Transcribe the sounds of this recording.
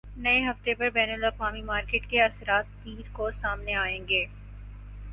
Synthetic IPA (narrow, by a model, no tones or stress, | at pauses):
nɐeɦɐft̪epɐɾbɛːnəlɐfaːmimaːɾkeːʈkeɐsɾaːt̪̚piːɾkosaːmneaːẽːŋɡeː